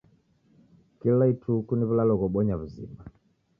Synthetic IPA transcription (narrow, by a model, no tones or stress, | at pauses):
kilaitʰukuniβulalɔɣɔɓɔɲaβuzḭmba